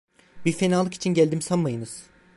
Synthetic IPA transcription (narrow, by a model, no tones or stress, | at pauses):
biɾfenaːlˠɯki̥t͡ʃʰinɟælʲd̪imsanmajɯnɯz̥